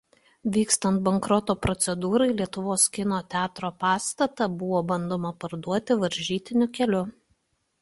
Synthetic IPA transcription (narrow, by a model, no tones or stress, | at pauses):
ʋʲiːkst̪ɐnt̪̚bɐŋkɾɔt̪oːpɾɔt̪sʲɛd̪uːɾɐɪlʲiɛt̪ʊʋoːskʲɪnoːt̪ʲæːt̪ɾoːpɑːst̪ɐt̪ɐbʊʋoːbɐnd̪oːmɐpɐɾd̪uɔt̪ʲɪʋɐɾʲʒʲiːt̪ʲɪnʲʊkʲɛlʲʊ